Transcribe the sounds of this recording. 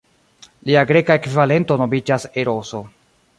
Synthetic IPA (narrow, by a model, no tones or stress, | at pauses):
liaɡɾe̞kaekvivale̞nto̞no̞bid͡ʒase̞ɾo̞so̞